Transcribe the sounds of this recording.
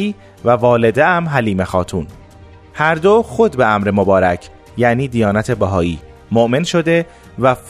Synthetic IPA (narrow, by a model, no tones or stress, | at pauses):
iː | vævɒːle̞d̪eæmɦæliːmexɒːt̪ʰuːn | hæɾd̪oxo̞d̪beæmɾemobɒːɾæcʰ | jæʔniːd̪ijɒːnæt̪ʰe̞bæɦɒːiː | moʔmenʃo̞d̪e̞ | væf